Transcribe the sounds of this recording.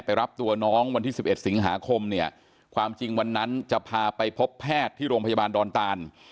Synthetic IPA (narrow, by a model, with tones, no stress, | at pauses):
pa˧jɾa˦˥p̚t̪u˧ɐnɔː˦˥ŋwa˧nt̪ʰiː˥˩si˨˩p̚ʔe˨˩t̪̚si˩˦ŋɦa̰ː˩˦kʰo˧mni˥˩ɐ | kʰwaː˧mt͡ɕi˧ŋwa˧nːa˦˥nt͡ɕa˨˩pʰaː˧pa˧jpʰo˦˥pʰːɛː˥˩t̪ʰːiː˥˩ɾoː˧ŋpʰa˧ja˧baː˧ndɔː˧nt̪aː˧n